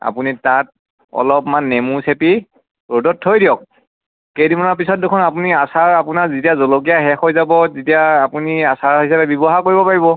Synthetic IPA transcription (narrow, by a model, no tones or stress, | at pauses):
a̰punitat̚ | ɔ̰lɔpmanːemusepi | ɹodɔtʰːojdijɔk̚ | kejdimɔnap̬isɔt̚dukʰɔnapuniasaɹapunaɹzitiazolok̬ijaɦɛxojzabɔzitijaːpuniasaɹɦisapɛbɔbɔɦakoɹibɔpaɹibɔ